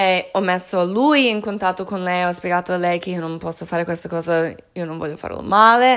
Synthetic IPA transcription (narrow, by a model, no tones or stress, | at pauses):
eɔmesːoalujiŋkont̪at̪ːokonlɛjɔspjeɡaːt̪oalɛjkeionompɔsːofaːɾekwest̪akɔːza | iononvɔ̰ʎːofa̰ɾḛlo̰maːle